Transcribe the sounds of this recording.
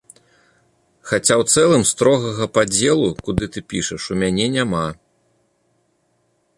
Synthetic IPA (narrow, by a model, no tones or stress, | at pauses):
xat͡sʲawt̪sɛlˠɨmst̪ɾɔɣɐɣɐpad͡zʲɛlˠukud̪ɨt̪ɨpʲiʂɐʂumʲanʲɛnʲama